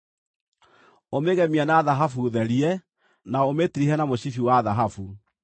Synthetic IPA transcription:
omeɣɛmianaðaɦafuðɛɾiɛ | naometiɾiɦɛnamoɕifiwaːðaɦafu

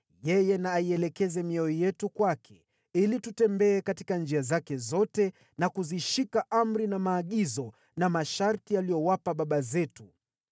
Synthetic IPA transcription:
jɛjɛnaːiɛlɛkɛzɛmiɔijɛtukwakʰɛ | ilitutɛmbɛːkati̥kand͡ʒiazakɛzɔtɛ | nakuziʃikaʔam̩ɾinamaːɠizɔ | namaʃaɾtialijɔwapaɓaɓazɛtu

